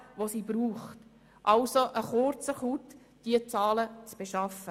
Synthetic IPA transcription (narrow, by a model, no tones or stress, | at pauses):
ʋosibɾuːχt | ʔɑlsoʔəχʊrt͡səχut̪ | d̥iət͡sɑːlət͡sb̥eʃɑfə